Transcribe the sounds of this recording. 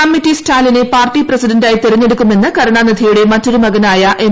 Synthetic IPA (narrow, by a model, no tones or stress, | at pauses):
ɐmːitːistʰaːline̞paːrʈːiprɐsidɐndaːjit̪eɾɐɲːe̞ɽukːume̞nːɨkɐɾɐɳaːnid̪ʱijuɽe̞mɐtːo̞ɾumɐɡɐnaːjɐʔe